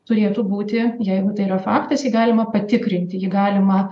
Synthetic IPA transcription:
t̪ʊɾʲeːt̪uːbuːt̪ʲɪjɛɪɡʊt̪ɐɪirɐfɑːkt̪ɐsjiɡɑːlʲɪmɐpɐt̪ʲɪkɾʲɪnʲt̪ʲɪjɪɡɑːlʲɪmɐ

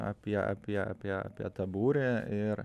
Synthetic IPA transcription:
ɑ̰pʲiɛʔɑ̰pʲiɛɑ̰pʲiɛɑ̰pʲiɛt̪ɐbuːɾʲeʔɪɾ

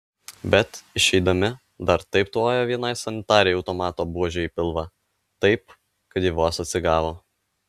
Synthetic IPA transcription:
bʲɛt̪ɪʃʲɛɪd̪ɐmʲɪ | d̪ɐɾt̪ɐɪpt̪uoːjoːʋʲiɛnɐɪsɐnʲɪt̪ɑːɾʲɛjɒʊt̪oːmɑːt̪oːbuɔʒʲɛːipʲɪlˠʋɑ | t̪ɐɪp | kɐt̪jiʋoːsɐt̪ʲsʲɪɡɑːʋoː

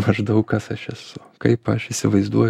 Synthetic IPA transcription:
mɐʒd̪ɐʊkkɐsɐʃɛsʊ | kɐɪpɐʃɪsʲɪʋɐɪzd̪uɔj

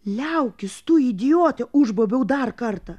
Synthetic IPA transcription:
lʲɛʊkʲɪst̪ʊid̪ʲɪjoːt̪ʲɛʊʒboːbʲɛʊd̪ɐrkɐrt̪ɐ

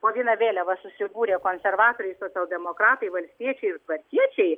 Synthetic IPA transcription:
poːʋʲiɛnɐʋʲeːlʲɛʋɐsʊsʲɪbuːɾʲeːkoːnʲsʲɛrʋɑːt̪oːɾʲɛɪsoːt͡sʲɛlˠd̪ʲɛmoːkɾɑːt̪ɐɪʋɐlʲsʲt̪ʲiɛt͡ʃʲɛɪɪrt̪ʋɐɾʲkʲiɛt͡ʃʲɛɪ

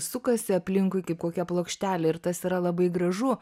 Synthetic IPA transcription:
sʊkɐsʲɪɐpʲlʲɪŋkʊɪkɐɪp̚koːkʲɛplˠoːkʃʲt̪ʲæːlʲɛɪrt̪ɐsiːɾɐlˠɐbɐɪɡɾɐʒʊ

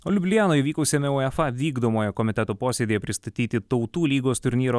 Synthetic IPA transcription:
ɔlʲʊbʲlʲɪjæːnoːjiʋʲiːkɐʊsʲemʲɛuːɛfɑʋʲiːɡd̪oːmoːjɛkɔmʲɪt̪ʲɛt̪oːpoːsʲeːd̪ʲeːjɛpʲɾʲɪst̪ɐt̪ʲiːt̪ʲɪt̪ɒʊt̪uːlʲiːɡoːst̪ʊɾʲnʲiːɾoː

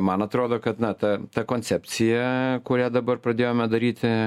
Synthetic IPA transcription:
mɐnɐt̪ɾoːd̪oːkɐt̪nɐt̪ɐt̪ɐkoːnʲt͡s̪ʲɛpʲt͡ssʲɪjɛkʊɾʲæːd̪ɐbɐrpɾɐd̪ʲeːjoːmʲɛd̪ɐɾʲiːt̪ʲɪ

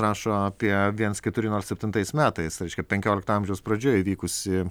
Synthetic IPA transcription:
rɑːʃoːɐpʲiɛʋʲiɛnskʲɛt̪ʊɾʲɪnoːɾsʲɛpʲt̪ʲɪnt̪ɐɪsmʲæːt̪ɐɪsɾɛɪʃkʲɛpʲɛŋʲkʲoːlʲɪkt̪ɐɐmʲʒʲɛʊspɾɐd͡ʒʲoːjiːʋʲiːkʊsʲɪ

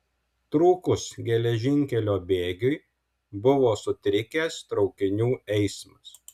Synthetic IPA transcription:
t̪ɾuːkʊsɡʲɛlʲɛʒʲɪŋʲkʲɛlʲoːbʲeːɡʲʊɪ | bʊʋoːsʊt̪ʲɾʲɪkʲeːst̪ɾɒʊkʲɪnʲuːɛɪsmɐs

